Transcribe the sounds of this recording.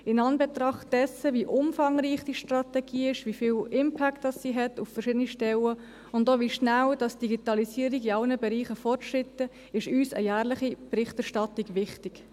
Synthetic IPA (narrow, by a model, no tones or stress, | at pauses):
ɪnɑnbɛt̪rɑχt̚d̥ɛsəviʔʊmfɑŋɾiːχd̥iʃtrɑtɛɡ̥iːɪʃʋifiːlɪmpʰæktd̥ɑsːiɦɛtuffərʃɪdəniʃtɛlə | ʊndoːʋiʃnæwd̥ɑsd̥iɡitɑlisiːəɾiɡiɑlnəbɛɾiːχəfɔrtʃrɪtə | ɪʃyːsə̰jæːɾlɪχib̥ɾɪχtɛɾʃtɑtiɡʋɪχtɪɡ̥